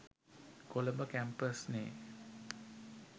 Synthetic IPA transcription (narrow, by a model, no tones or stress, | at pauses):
koləbəkæmpəsnḛː